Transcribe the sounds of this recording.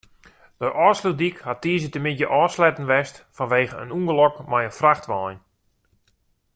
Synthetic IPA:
d̥əʔɔːsludikhatiːzətəmɪdjəʔɔːslɛtən̩ʋɛstfɔnʋeːɣəə̰nuŋɡəlɔkmajənfraxtʋɔjn

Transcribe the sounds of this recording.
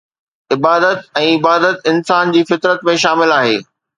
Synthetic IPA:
ɪbaːd̪ət̪ɛ̃ːɪbaːd̪ət̪ɪnsaːnd͡ʑiːfɪt̪ɾət̪mẽʃaːmɪlaːɦeː

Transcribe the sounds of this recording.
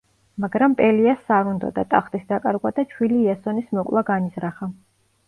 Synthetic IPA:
maɡɾampʼɛliasːaɾund̪ɔ̰d̪a̰t̪ʼaχt̪ʼisd̪akʼaɾɡwad̪at͡ʃʰwiliːasɔnismɔkʼlˠaɡanizɾaχa

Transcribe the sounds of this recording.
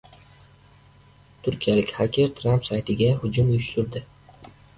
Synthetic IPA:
t̪ʰʊɾkʲijalɪkʲhakʲʰeɾt̪ʰɾampsajt̪ʰɪɡʲahʊd͡ʒʊmjʊʃt̪ʊɾd̪ɪ

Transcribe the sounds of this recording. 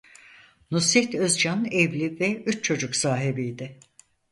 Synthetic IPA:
nusit̪øzd͡ʒanɛvlʲivɛyt͡ʃt͡ʃʰo̞d͡ʒuksaːɦibijd̪ɪ

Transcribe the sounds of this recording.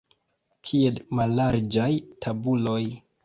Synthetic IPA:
kʰie̞lmalːaɾd͡ʒajtʰabulo̞j

